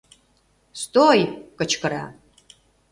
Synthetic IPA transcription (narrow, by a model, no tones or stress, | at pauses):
st̪ojkət͡ʃʰkəɾa̰